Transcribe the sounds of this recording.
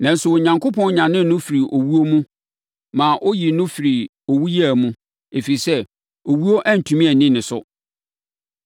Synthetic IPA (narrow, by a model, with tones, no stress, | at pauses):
nã˨n̩˦sʊ˨wɔ˨ɲã˨ŋkʰo˦pʰɔ̃˦n˦ɲã˨nɪ̃˦nʊ̃˦fi˨ɾi˨ʔo˨wu˦o˦mũ˦ | mãː˨ʔo˦ji˨nʊ̃˦fi˨ɾi˨ | o˨wu˦jæ˦˨mũ˦ | e˨fi˨i˨sɛ˦ | o˨wu˦o˦ʔæ˦n̩˨tʰũ˨mĩ˦æ˨nĩ˦nɪ̃˨sʊ̰˦